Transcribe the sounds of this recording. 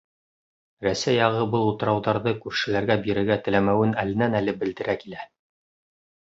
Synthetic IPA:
ɾæsæjːɑʁɤbɤlˠut̪ɤ̆ɾɑwðɑɾðɤkʉɾʃɘ̆læɾɡæbiɾɘ̆ɾɡæt̪ɘ̆læmæwɘnælɘ̆nænælɘbɘ̆ld̪ɘ̆ɾækilæ

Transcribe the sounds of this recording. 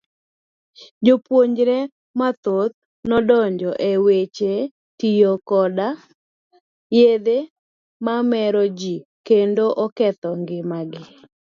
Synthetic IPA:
d͡ʒopwoɲd͡ʒɾɛ | mat̪ot̪̚ | nɔdɔɲd͡ʒɔʔewet͡ʃe | tijokɔda | jed̪e | mamɛɾɔd͡ʒikendoʔɔkɛt̪ɔŋɡɪmaɡɪ

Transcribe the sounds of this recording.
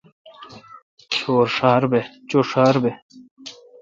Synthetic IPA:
kʰoːɾʂaːɾbet͡ɕoʂaːɾbe

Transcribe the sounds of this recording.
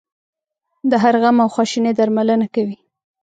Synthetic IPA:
d̪əɦaɾɣamawxwɑʃined̪aɾmalənakawi

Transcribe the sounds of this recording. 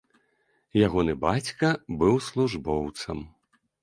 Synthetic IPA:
jaɣɔnɨbat͡sʲkɐbɨwslˠuʐbɔwt̪sɐ̰m

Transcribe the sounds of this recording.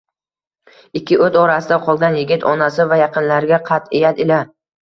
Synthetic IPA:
ɪkʲʰːɪʔɵzɒɾasɪd̪aqʰɒlˠɡʲanjɪɡʲɪt̪ʰɒnasɪvajɑqʰɨnlaɾɡʲaqʰɑt̪ejad̪ɪla

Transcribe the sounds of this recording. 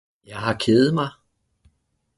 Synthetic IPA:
jɑ̈ɪɦɑ̈kʰeːðð̩ˠmɑɪ

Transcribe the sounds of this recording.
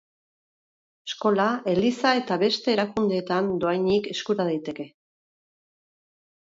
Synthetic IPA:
esko̞lae̞lisae̞t̪aβe̞st̪e̞ːɾakund̪e̞ːt̪and̪o̞ajɲike̞skuɾað̞ajt̪e̞ke̞

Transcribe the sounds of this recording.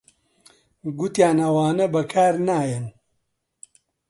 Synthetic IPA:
ɡʊt̪jaːnɐwaːnɐbɐkʰaːɾnaːjɛn

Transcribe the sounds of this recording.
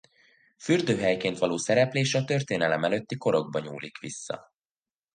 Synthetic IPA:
fyrd̪øːɦɛjkeːnt̪ʋɒloːsɛɾɛpleːʃɒt̪ø̞rt̪eːnɛlɛmɛløt̪ːiko̞ɾo̞ɡ̚bɒɲṵːlḭkʋisːɒ̰

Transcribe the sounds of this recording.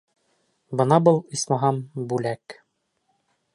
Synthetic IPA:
bɤ̆nɑbɤlˠismɑɦɑmbʉlæk

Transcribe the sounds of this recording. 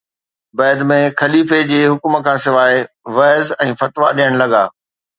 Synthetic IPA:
bɛːd̪mẽxɐliːfed͡ʑeːɦʊkm̆kʰãːsɪʋaːɪ | ʋɐːzɛ̃ːfɐt̪ʋaɗijəɽ̃lɐɡa̰ː

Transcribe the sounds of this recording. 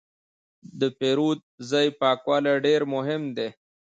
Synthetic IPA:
d̪əpeɾuːd̪̚zajpɑːkwaːleɖeɾmʊɦɪmd̪e

